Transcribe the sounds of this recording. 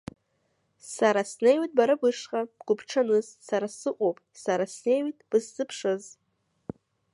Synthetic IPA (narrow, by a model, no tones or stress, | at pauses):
saɾasnejwatʼbaɾabɨʂqʼab̥ɡ̥ʷʊpʰʈ͡ʂʰanɨzsaɾasɨqʷʼowpʼsaɾasne̞jwitʼb̥ɨzːɨpʰʂɨz